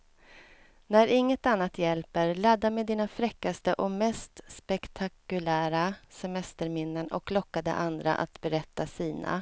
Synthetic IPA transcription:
næɾɪŋːət̪anːat̪jɛlpəɾlad̪ːamɛd̪iːnafɾɛkːast̪əʔɔmɛst̪spɛkt̪ʰakɵlæːɾasɛmɛst̪əɾmɪnːənɔ̰klɔkːad̪ə̰ʔand̪ɾa̰ʔa̰t̪bɛɾɛt̪ːasiːnʔa̰

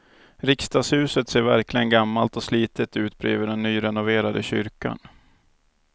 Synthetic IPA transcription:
ɾɪkst̪ɑːshʉ̟ːsət̪seːɾvæɾklɪɡənɡamːalt̪ɔsliːt̪ət̪ʉ̟ːt̪̚bɾḛːvəɖɛnːyːɾɛnʊveːɾad̪əɕʏɾka̰n

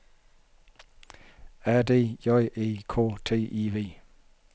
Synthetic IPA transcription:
ɛdejɔjʔekʰot̪ʰeʔive

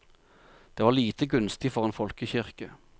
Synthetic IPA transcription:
d̪̥eːʋɑːliːt̪əɡʉnst̪ɪfɔʁeːnfɔlkəçɪʁkə

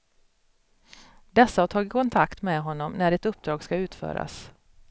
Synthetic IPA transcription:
d̪ɛsːahaʈʰɑːɡɪt̪̚kʰɔnt̪ʰakt̪mɛɦɔnːɔmnæɖɪt̪ɵp̚ːd̪ɾɑːɡskaʉ̟ːt̪fœ̰ːɾa̰s

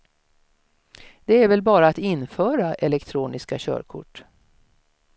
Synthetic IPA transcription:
d̪̥ɛæɾvɛlbɑːɾaat̪ɪnfœːɾaʔɛlɛkt̪ʰɾuːnɪskaɕœ̰ːɾkʰʊ̰ʈː

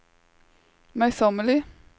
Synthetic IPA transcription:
mæɪsɔməlɪ

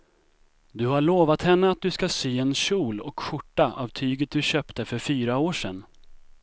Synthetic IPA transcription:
d̪ɵhaɭoːvat̪hɛnːəat̪̚d̪ɵskasyːɛnɕuːlɔkɧʊʈːaʔavt̪ʰyːɡət̪̚d̪ɵɕœːpt̪əfœɾfyːɾaoːʂɛnː

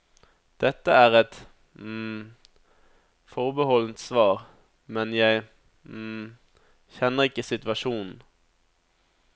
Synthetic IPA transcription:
d̪̥ɛt̪ːəæːʁɛt̪ | fɔʁbəhɔlnt̪sʋɑːʁ | mɛnjæɪ | çɛnːəʁɪkːəsɪt̪ʋɑʂuːnn̩

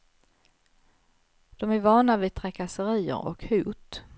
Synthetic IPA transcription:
d̪̥ɔmæɾvɑːɳavɪt̪ʰɾɛkasəɾiːə̰ɾɔ̰khuːt̪

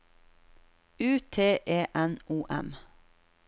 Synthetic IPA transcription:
ʉːt̪ʰeːʔeːʔɛnʔuːʔɛ̰m

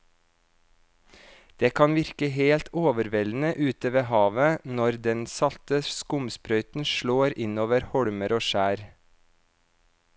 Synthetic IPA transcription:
d̪̥eːkʰɑnʋɪɾkəheːlt̪ʰoːʋəɾʋɛln̩əʔʉːt̪əʋeːhɑːʋənɔɾd̪ɛnsɑlt̪əskʊmspɾœʏt̪n̩ʃɭoːɾɪnoːʋəɾhɔɽməɾoːʃæːɾ

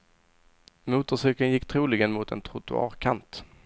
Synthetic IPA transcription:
muːt̪əʂʏkənjɪkːt̪ʰɾuːlɪɡənmʊt̪ɛ̰nt̪ʰɾʊt̪ʊ̰ɑ̰ːɾkʰant̪

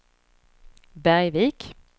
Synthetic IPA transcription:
bæʁjʋiːk

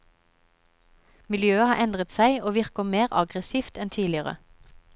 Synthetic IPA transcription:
mɪljøːəhɑːɛnd̪ʁət̪sæɪoːʋɪʁkəmeːʁɑɡʁəsiːft̪ɛnt̪ʰiːlɪəʁə̰

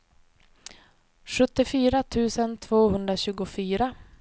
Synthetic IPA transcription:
ɧɵt̪ːɪfyːɾat̪ʰʉ̟ːsənt̪ʰvoːɦɵnd̪ɾaɕʉ̟ːɡʊfyːɾa

